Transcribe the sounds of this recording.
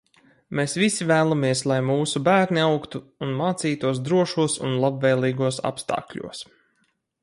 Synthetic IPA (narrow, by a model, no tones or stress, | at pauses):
mesvisivæːlˠamiɛslˠajmuːsubæːɾnʲiawkt̪uːnmaːt̪siːt̪uɔs̬d̪ɾuɔʃuɔsṵnlˠabvɛjlˠiːɡuɔsa̰pst̪a̰ːkʎʲṵɔs